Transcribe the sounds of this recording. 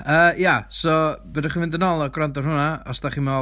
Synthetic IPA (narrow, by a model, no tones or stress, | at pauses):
əːjasɔbədaχimɪndənɔlˠɔɡrandɔr̥hʊnaɔsd̥aχima